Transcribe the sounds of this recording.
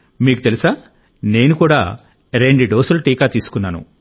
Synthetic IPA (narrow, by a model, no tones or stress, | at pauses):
miːkut̪elusaː | ne̞ːnukuːɽa̰ː | ɾeɳɖuɖoːsuluʈiːkaːt̪iːsu̥kunːaːnṵ